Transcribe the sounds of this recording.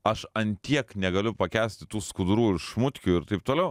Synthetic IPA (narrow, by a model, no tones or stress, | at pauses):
ɐʃɐnʲt̪ʲiɛknʲɛɡɐlʲʊpɐkʲæːsʲt̪ʲɪt̪uːskʊd̪ɾuːɪʃmʊt̪ʲkʲuːɪɾt̪ɐɪp̚t̪oːlʲɛʊ